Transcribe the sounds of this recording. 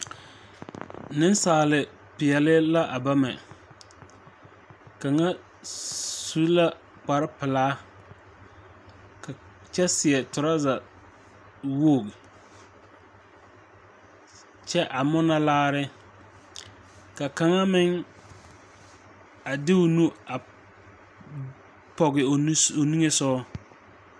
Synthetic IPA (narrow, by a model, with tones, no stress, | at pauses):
nɪ˦nsaː˨lɪ˨ | pɪ˨ɛ˨lɪ˦la˦ʔa˨ba˦mɛ̰˨ | ka˨ŋa˦ | su˦la˦ | k͡pa˨ɾɪ˦pɪ˨laː˦ | ka˨ | t͡ʃɛ˦sɪ˨ɛ˨tʊ˨ɾa˦za˨ | wo˦˨m | t͡ʃɛ˦ʔa˨mʊ˦na˦laː˦ɾɪ˦ | ka˨ka˨ŋa˦mɪ˦ŋ | a˨dɪ˦ʊ˨nu˦a˨ | pɔ˨ɣɪ˨˦o˨ni˦ŋe˦sɔ˦